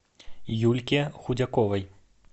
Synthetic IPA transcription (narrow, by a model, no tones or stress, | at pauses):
julʲkʲixud͡zʲakɔvɐj